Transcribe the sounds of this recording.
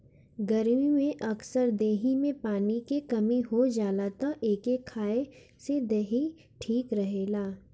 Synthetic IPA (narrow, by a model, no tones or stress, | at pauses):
ɡɐɾmimẽʔɐksəɾd̪eːɦimẽpaːnikekɐmiɦod͡ʒaːlaːt̪ãʔeːkekʰaːe | sed̪eɦi | ʈʰiːkɾɐɦeːlaː